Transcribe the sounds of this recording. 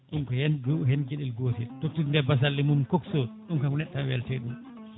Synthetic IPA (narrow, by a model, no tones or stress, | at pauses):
ɗumkɔhɛnd͡ʒuhend͡ʒeɗɛlɡoːtiltoktːindɛbas̬alːimumkɔksoɗumkakɔnɛɗːawɛltɛɗum